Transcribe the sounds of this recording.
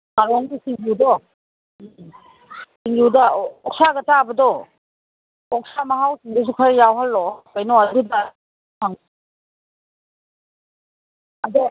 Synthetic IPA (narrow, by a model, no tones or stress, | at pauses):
kaɾɔŋdisiŋudɔ | siŋjudaɔk̚saɡɐtabɐdɔ | ɔk̚samaɦawsiŋdus̬ukʰaɾjawɦalːɔkajnɔaduda | tʰaŋ | adɔ